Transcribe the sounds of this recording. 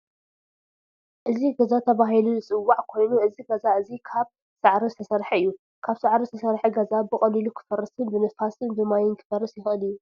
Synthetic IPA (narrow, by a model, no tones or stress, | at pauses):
ʔɨziɡɐzat̪ʰɐβaɦilunɨt͡sʼɨwːaʕkʰo̞jnuʔɨziɡɐzaʔɨzikʰaβ | saʕɾizɨt̪ʰɐsɐɾħɐɨjːu | kʰaβsaʕɾizɨt̪ʰɐsɐɾħɐɡɐzabɨxʼɐlilukʰɨ̥fɐrːɨsɨnbɨnɨfasɨnbɨmajɪnkʰɨ̥fɐrːɨsjɪxʔɨlɨjːu